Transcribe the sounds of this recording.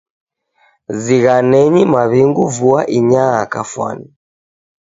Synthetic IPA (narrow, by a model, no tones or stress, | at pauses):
ziɣanɛɲimaβiŋɡuvuaʔiɲaakafwa̰ni